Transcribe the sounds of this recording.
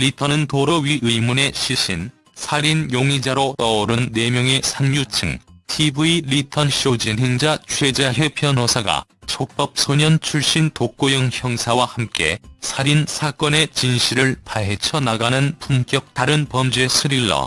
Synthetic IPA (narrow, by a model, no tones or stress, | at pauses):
litʰʌnɯntoɾʌɥiʔɯimune̞ɕʰiɕ͈ʰin | sʰaɾinjoŋid͡ʑaɾot͈ʌoɾɯnːemjʌŋe̞sʰaŋɲut͡ɕʰɯŋtʰibuilitʰʌnɕiod͡ʑinɦeŋd͡ʑat͡ɕʰwe̞d͡ʑaɦepʰjʌnosʰaɡa̰t͡ɕʰok̚p͈ʌp̚sʰoɲʌnt͡ɕʰuɭɕ͈intok̚k͈ojʌŋçjʌŋsʰawahamk͈e̞̰sʰaɾinsʰak͈ʌne̞t͡ɕinɕʰiɾɯɭpaɦe̞t͡ɕʰʌnaɡanɯnpumk͈jʌk̚taɾɯnpʌmd͡ʑuesʰɯɾiɭːʌ̰